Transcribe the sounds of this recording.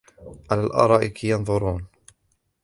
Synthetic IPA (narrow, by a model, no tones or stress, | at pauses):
ʕalaːlʔɑ̰ɾˤɑːʔɪkijɑnðˤʊɾˤuːn